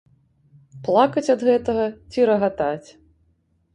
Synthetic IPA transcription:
plˠakɐt͡sʲɐd̪ɣɛt̪ɐɣɐt͡sʲiɾɐɣat̪at͡sʲ

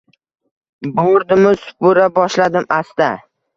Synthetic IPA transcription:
boɾd̪ɪmɪsʊ̥pʊɾabɒʃlad̪ɪmʔast̪a

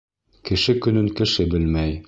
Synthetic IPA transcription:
kɘ̆ʃɘkɵ̆nɵŋkɘ̆ʃɘbɘlmæj

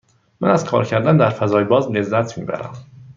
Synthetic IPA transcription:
mænæz̥kʰɒ̰ːɾcʰæɾd̪ænd̪æɾfæzɒːjbɒːzle̞zːæt̪ʰmḭːbæ̰ɾæ̰m

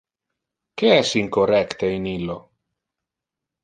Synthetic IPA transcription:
keɛsiŋkorɛkt̪einilːo

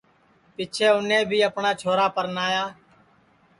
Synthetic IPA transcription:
pɪt͡ʃʰeːʊnẽːbʱiːəpnaːt͡ʃʰoːɾaːpəɾnaːjaː

